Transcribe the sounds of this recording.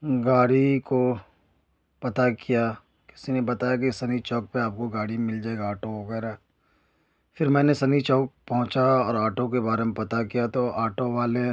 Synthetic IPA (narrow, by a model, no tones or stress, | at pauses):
ɡaːɽiko | pɐt̪akija | kɪ̥sinebɐt̪aːjak̬isɐnit͡ʃɔːk̚peaːp̚koɡaːɽimɪld͡ʒaːeɡaaːʈoʋɐɡɛːɾa | fʰɪɾmɛ̃ːnesɐnit͡ʃɔːk̚pɐɦʊ̃t͡ʃaɔːɾaːʈõk̬ebaːɾemẽpɐt̪akijat̪oaːʈʰoʋaːle